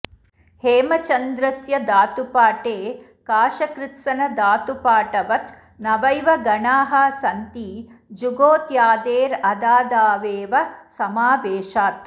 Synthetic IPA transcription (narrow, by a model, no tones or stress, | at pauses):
heːmɐt͡ʃɐnd̪ɾɐsjɐd̪aːt̪upaːʈeː | kaːʃɐkɾɪt̪sɐnɐd̪aːt̪upaːʈɐʋɐt̪ | nɐʋɐjʋɐɡɐɳaːɦɐsɐnt̪id͡ʒuɡoːt̪jaːd̪eːɾɐd̪aːd̪aːʋeːʋɐsɐmaːʋeːʃaːt̪̚